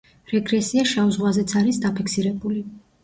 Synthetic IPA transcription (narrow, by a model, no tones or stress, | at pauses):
ɾɛɡɾɛsiaʃauzʁwazɛt̪sʰaɾisd̪apʰiksiɾɛbuli